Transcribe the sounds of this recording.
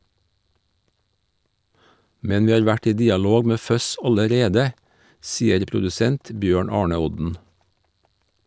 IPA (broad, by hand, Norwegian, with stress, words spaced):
ˈmɛn ˈʋiː ˈɑːɾ ˈʋæʈ ˈiː ˈdiːɑˌloːɡ ˈmeː ˈfœs ˈɑləˌɾeːdə ˈsiːəɾ pɾʊdʉˈsɛnt ˈbjøːɳ ˈɑːɳə ˈɔdn̩